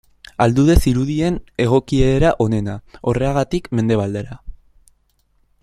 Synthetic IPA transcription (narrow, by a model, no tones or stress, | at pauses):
ald̪uðe̞siɾuðie̞ne̞ɣ̞o̞kieɾaʔo̞ne̞nao̞re̞aɣ̞at̪ikme̞nd̪e̞β̞ald̪e̞ɾa